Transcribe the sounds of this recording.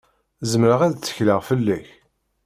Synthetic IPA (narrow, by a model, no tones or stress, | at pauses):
zəmɾəʁæðt͡sːə̥çləʁfəlːæç